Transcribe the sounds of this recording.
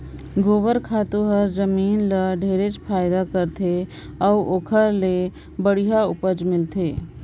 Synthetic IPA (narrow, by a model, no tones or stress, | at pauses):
ɡoːbəɾkʰaːt̪uɦəɾd͡ʒəmiːnləɖʱeːɾet͡ʃpʰaːɪd̪akəɾt̪ʰe | ɔuʔoːkʰəɾle | bəɽ̤iɦaʊpəd͡ʒmɪlt̪ʰeː